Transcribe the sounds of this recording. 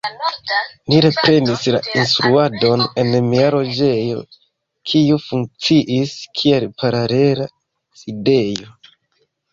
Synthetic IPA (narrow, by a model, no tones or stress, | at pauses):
niɾe̞pɾe̞nislainstɾuado̞ne̞nmiaɾo̞d͡ʒe̞jo̞̰ | kʰiufuŋk̚t͡siʔiskʰielpaɾale̞ɾa | side̞jo̞